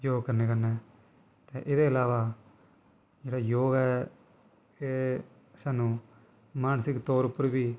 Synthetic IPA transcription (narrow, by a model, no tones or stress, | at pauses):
joːɡkəɾneːkəɾnɛː | t̪eːʔɪd̪eːəlaːʋaː | d͡ʒeːɽaːjoːɡɛː | eː | saːnũː | maːnsɪkt̪oːɾʊpːəɾbiː